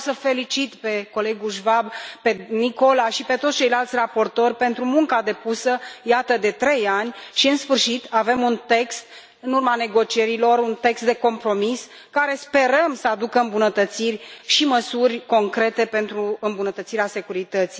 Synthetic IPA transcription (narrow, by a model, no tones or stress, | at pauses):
səfe̞lit͡ʃit̪pe̞ko̞le̞ɡulʒvabpe̞niko̞laʃipe̞t̪ot̪sʲt͡ʃe̞jlalt̪sʲrapo̞rt̪o̞rʲpe̞nt̪ɾumuŋkad̪e̞pusəjat̪əd̪e̞t̪ɾe̞janʲʃiɨnsfɨrʃit̪ave̞munt̪e̞kst̪ | ɨnurmane̞ɡo̞t͡ʃie̞ɾilo̞runt̪e̞kst̪d̪e̞ko̞mpɾo̞mis | kaɾe̞spe̞ɾəmsəad̪ukəɨmbunət̪ət̪sirʲʃiməsurʲko̞ŋkɾe̞t̪e̞pe̞nt̪ɾuɨmbunət̪ət̪siɾease̞kuɾit̪ət̪si̥